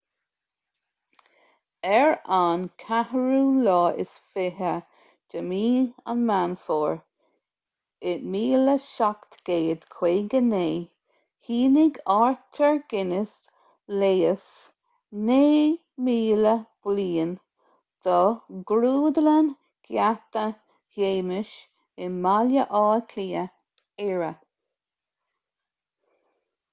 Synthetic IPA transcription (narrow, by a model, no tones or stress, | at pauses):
ɛɹankʰahəɹuːlɔːɪ̰sfɪɦə | d͡ʒ̥əmiːə̰nmanfɔːɹ | ɪtmiːləʃakt̪ɡ̥eːd̪kʰw̥eːɡəneː | hiːnɪɡaɹt̪ʰəɹɡ̥ɪnɪs | leːəs | neː | miːləb̥liːən | d̪̥ɔɡɾuːd̪ələn | ɡ̥jat̪ə | heːmɪʃ | ɪmaljəʔɑːtʰliːə | ɛɹə